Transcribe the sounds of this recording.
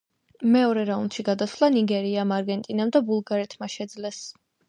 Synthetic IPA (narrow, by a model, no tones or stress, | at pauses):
mɛɔɾɛɾaund̪ʃiɡad̪asʰvlˠaniɡɛɾiamaɾɡɛnt̪ʼinamd̪abulˠɡaɾɛt̪ʰmaʃɛd̪zlɛs